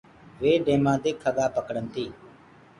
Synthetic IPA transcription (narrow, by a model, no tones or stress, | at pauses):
ʋeːɖẽːmãːd̪eːkʰːəɠaːpəkəɽənt̪iː